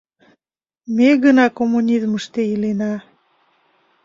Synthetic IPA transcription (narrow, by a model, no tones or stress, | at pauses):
meɣənɑkomːunʲizməʃt̪eilenɑ